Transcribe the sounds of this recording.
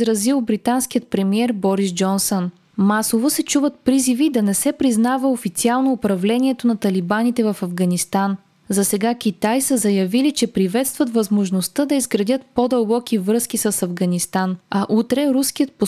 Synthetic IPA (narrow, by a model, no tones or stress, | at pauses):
zɾɐzilˠbɾit̪ansk̟ijət̪̚pɾɛmiɛɾbɔɾisd͡ʒɔnson | masovosɛt͡ʃuvət̪̚pɾizivid̪ɐnɛsɛpɾiznavəofit̪sialˠnoːpɾɐvlɛnʲiɛt̪onɐt̪ɐlibanit̪ɛvɐfɐvɡɐnist̪an | zɐsɛɡakʲit̪ajsəzɐjɐvilit͡ʃɛpɾivɛt̪st̪vɐt̪vɐzmoʒnost̪əd̪ɐizɡɾɐd̪ʲət̪pod̪ɐlˠbɔkivɾɤsk̟isəsɐvɡɐnist̪anɐʔut̪ɾɛɾuskijət̪̚po